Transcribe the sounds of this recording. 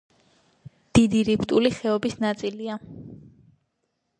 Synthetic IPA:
d̪̥id̪iɾipʰt̪ʼuliχɛɔbisnat̪sʼilia

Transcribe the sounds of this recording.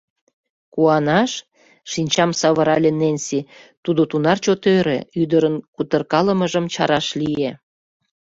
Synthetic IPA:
kuɑnɑʃ | ʃinʲt͡ɕɑmsɑβəɾɑlʲenenʲsit̪ud̪ot̪unɑrt͡ɕot̪øɾḛyd̪əɾənkut̪ərkɑləməʒəmt͡ɕɑ̰ɾɑʃlije

